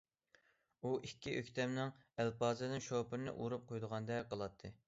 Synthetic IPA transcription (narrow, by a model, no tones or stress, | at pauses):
uʔikʲːiʔøkʲt̪ʰɛmnɪŋælpɑːzɨd̪ɪnʃopɪɾnɨ̰ʔuɾup̚qʰojd̪əʁɑnd̪ɛqʰəlˠɑt̪ʰːɨ